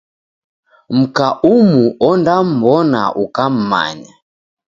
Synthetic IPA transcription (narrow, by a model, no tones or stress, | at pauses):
m̩kaʔumuɔndam̩bɔna̰ʔukam̩ma̰ɲa